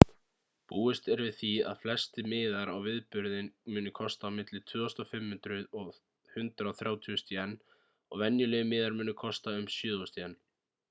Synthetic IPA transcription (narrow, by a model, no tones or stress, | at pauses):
puːɪst̪ɛɾvɪðθia̰ðflɛst̪ɪmɪːðaɾawvɪðpʏɾðɪnmʏːnʏkʰɔst̪aːmɪt̪lɪt̪ʰvʏːɔst̪ɔfɪmhʏnt̪ɾʏðɔɣ | hʏnt̪ɾaːwθɾjaːwt̪ʰyɔst̪jɛnː | ɔɣvɛnjʏlɛːmɪːðaɾmʏːnʏkʰɔst̪aʏmsjʏːðɔst̪iɛnː